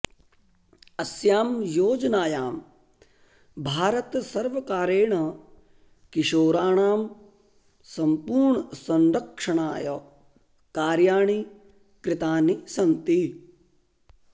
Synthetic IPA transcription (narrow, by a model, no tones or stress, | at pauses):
ɐsjaːmjoːd͡ʒnaːjaːm | bʱaːɾɐt̪sɐɾʋɐkaːɾeːɳɐ | kiʃoːɾaːɳaːm | sɐmpuːɾɳɐsɐnɾɐkʂɐɳaːjɐ | kaːɾjaːɳi | kɾɪt̪aːnisɐnt̪i